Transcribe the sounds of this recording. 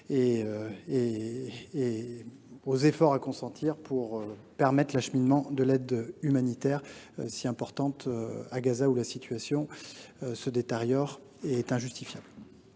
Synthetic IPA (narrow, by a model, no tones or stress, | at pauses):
eøeː | ozefɔʁakɔ̃sɑ̃t̪ʰiʁpʰuʁøpɛʁmɛt̪χlaʃminmɑ̃d̪əlɛd̪ymanit̪ɛʁøsiɛ̃pɔʁt̪ɑ̃t̪øaɡazaulasit̪ʰɥasjɔ̃ | səd̪et̪eʁjɔʁ | eɛt̪ɛ̃ʒyst̪ifjabl